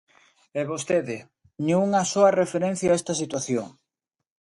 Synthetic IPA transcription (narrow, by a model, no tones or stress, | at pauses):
eβost̪eðɪ | ɲeuŋɐsoɐrefeɾen̟θjaɛst̪ɐsit̪waθjoŋ